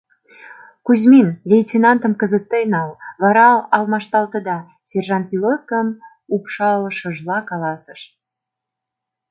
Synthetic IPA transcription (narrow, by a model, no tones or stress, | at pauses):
kuzminlʲejt̪ʲinɑnt̪ə̆mkə̆zət̪ːejnɑlβɑɾɑɑlmɑʃt̪ɑlt̪ɤ̆d̪ɑ | sʲerʒɑn̚pilot̪ə̆m | upʃɑləʃə̆ʒlɑkɑlɑsə̆ʃ